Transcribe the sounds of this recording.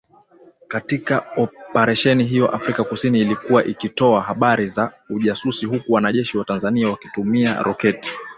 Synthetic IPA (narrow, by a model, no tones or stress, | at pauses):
katikaɔpɛɾaʃɛniɦijɔʔafɾikakusiniːlikuwaʔikitɔaɦaɓaɾiza | uʄasusihukuwanaʄɛʃiwatanzaniawaki̥tumia̰ɾɔkɛti̥